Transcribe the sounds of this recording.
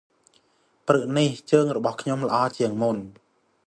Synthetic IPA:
prɨʔniht͡ɕəːŋrɔɓɑhkʰɲomlə̆ʔɑːt͡ɕiəŋmun

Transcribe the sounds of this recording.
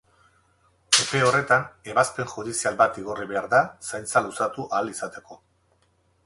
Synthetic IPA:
e̞pe̞o̞re̞t̪ane̞βaspe̞ŋxuðisialbat̪iɣo̞riβe̞aɾðasajnt͡salusat̪uʔalisat̪e̞ko̞

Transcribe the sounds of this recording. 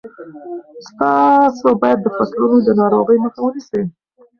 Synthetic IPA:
st̪ɑsabɑjad̪̚ːəfasɾəlod̪ənɑɾoɣəjməxawənisii

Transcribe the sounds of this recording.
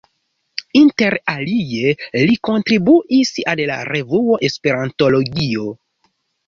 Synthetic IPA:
inte̞ɾalie̞liko̞ntɾibuʔisalla̰ɾe̞vuo̞ʔe̞spe̞ɾanto̞lo̞ɡio̞

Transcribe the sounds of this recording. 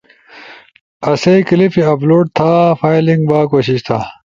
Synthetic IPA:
ɐsejkilifiɐploːʈ̚t̪ʰaːfaːjliŋɡbaːkoːɕiɕt̪ʰa

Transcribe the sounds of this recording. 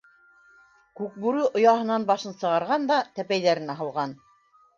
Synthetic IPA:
kʉk̚bʉɾʉʔŏjɑɦɤ̆nɑnbɑʃɤnsɤ̆ʁɑɾʁɑnd̪ɑt̪æpæjðæɾɘ̆næɦɤ̆lˠʁɑn

